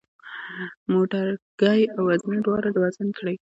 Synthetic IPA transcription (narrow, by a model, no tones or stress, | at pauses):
moʈaɾɡ̥ajawazniɖwɑɾadwazankɽaj